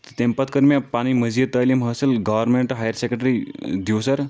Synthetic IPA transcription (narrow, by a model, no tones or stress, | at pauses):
t̪empat̪kəɾmjapañiməd͡zit̪ːəjleməselɡɔʋəɾmeɳʈɦajəɾsekeʈəɾid̪iwsaɾ